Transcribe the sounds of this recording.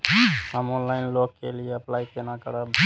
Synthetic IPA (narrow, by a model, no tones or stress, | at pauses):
ɦəmonlaːɪnloːkkḛlieəplaːikenaːkəɽab